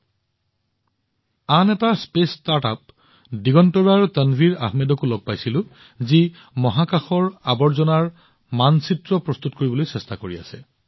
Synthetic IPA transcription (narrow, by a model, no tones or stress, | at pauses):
anɛtaspestata̰p̚ | diɡɔntɔbaɹtənbʱiɹa̰ɦmedɔkulɔɡ̚pajsilʊ̃ | zi | mɔɦakaxɔɹabɔɹzɔnaɹ | mansitɹɔpɹɔst̪utkoɹibɔlojsɛstakoɹia̰sɛ̰